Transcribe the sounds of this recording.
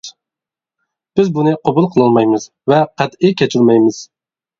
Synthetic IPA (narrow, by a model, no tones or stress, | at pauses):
b̥ɪzbunɨqʰobulˠqʰəlˠɨlˠmɑjmɨz̥ | vɛqʰæt̪ɪkʲʰɛt͡ʃʰilmɛjmɪz̥